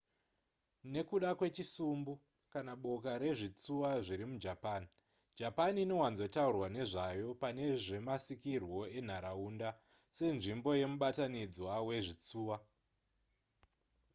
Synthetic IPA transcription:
ne̞kuɗakwe̞t͡ʃisumbu | kanaɓo̞kaɾe̞ʐit͡suwaʐiɾimud͡ʒapaːni | d͡ʒapaniːno̞wanzo̞taurwane̞ʐajo̞pane̞ʐe̞masikirwo̞en̤aɾaunda | se̞nʐimbo̞je̞muɓatanid͡zwawe̞ʐit͡suːwa

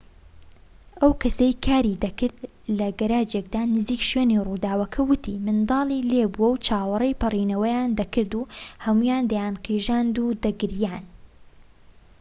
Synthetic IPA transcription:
ʔɐwkʰɐsejkʰaːɾiːd̪ɐkɨɾd̪ | lɐɡɐɾaːd͡ʒek̚d̪aːnɨziːkʃɥeːniruːd̪aːwɐkʰɐwʊt̪ʰiːmɨnd̪ɑːlˠiːlebuwɐwt͡ʃʰaːwɑrˤejpɨriːnɐwɐjaːnd̪ɐkʰɨɾd̪uːhɐmuːjaːnd̪ɐjaːnqiʒaːnd̪ud̪ɐɡɪɾjaːn

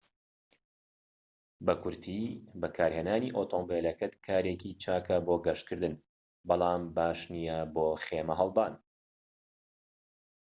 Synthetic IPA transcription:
bɐkʰʊɾt̪ʰiːbɐkʰaːɾheːnaːniʔoːt̪ʰoːmbeːlɐkɐt̪kʰaːɾeːkit͡ʃaːkɐboːɡɐʃt̪kʰɨɾd̪ɨn | bɑlˠɑːmbaːʃnijɐboːχeːmɐɦɐlˠd̪aːn

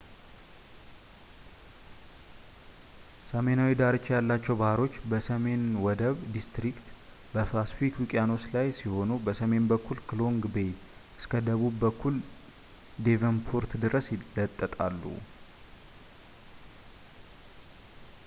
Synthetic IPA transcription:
səme̞nawid̪aɾɨt͡ʃːjalːat͡ʃːɛwbahɾo̞t͡ʃːbəsəme̞nwɔd̪əβd̪ist̪ɾikt̪ | bəflasfikwikʼjano̞t͡ʃlajsiho̞nubəsəme̞nbəkʰːulklo̞ŋɡbe̞j | ʔɨskʰəd̪əβubːəkːul | d̪e̞vənpʰuɾt̪d̪ɨɾəslət̪ʼːət̪ʼalːṵ

